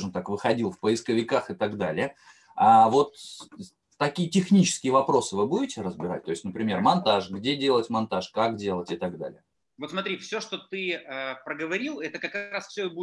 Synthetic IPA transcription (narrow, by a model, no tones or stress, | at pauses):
ʐɨmt̪akvɨxɐdʲilˠfpəɪskəvʲɪkaxɨt̪ɐɡd̪alʲɪə | avo̞t̪ː | ɐkʲijətʲɪxnʲit͡ɕɪ̥skʲɪjəvɐpɾo̞sɨvɨbudʲɪtʲɪɾəzbʲɪɾa̰tʲt̪o̞ɪsʲtʲnəpɾʲɪmʲe̞rmɐnt̪aʂɡdʲedʲe̞lˠətʲmɐnt̪aʂkakdʲe̞lˠətʲɪt̪ɐɡd̪a̰lʲɪ̰jə | vot̪smɐt̪ɾʲifsʲoʂt̪ot̪ɨəpɾəɡəvɐɾʲilˠɛt̪əkɐkɾasfsʲoɪbu